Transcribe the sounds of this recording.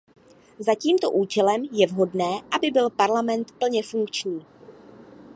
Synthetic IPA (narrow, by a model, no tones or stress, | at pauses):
zaciːmt̪o̞ʔuːt͡ʃɛlɛmjɛvɦo̞dnɛːʔabɪbɪlpaɾlamɛnt̪pl̩ɲɛfuŋkt͡ʃɲiː